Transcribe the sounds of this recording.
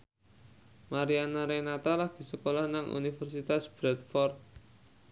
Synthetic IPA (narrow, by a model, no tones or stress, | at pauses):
maɾianaɾenat̪alahɡ̥i̤səkolahnaŋʔṵnifərsit̪asb̥ɾɛt̪̚fɔrt̪̚